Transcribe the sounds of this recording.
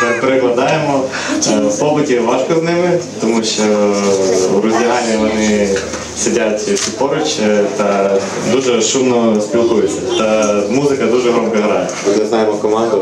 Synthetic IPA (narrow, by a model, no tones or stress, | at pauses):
pɐpɾʲɪɣlˠɐd̪ajɪmɔ | pobɨtʲɪʋaʐkɐznɨmɪpt̪ɐmuɕɔ | ɡɾʊzʲjanʲɪɐnɪ | sʲɪdʲatʲsʲɪpoɾʊt͡ɕɛt̪ɐ | d̪uʐɛʂumnɔspʲɪlˠkujɪsɐɛt̪ɐmuzɨkɐd̪uʐɛɣɾomkɐɣɾa | ɾʊzʲaznajɪmɔkɐmand̪ʊ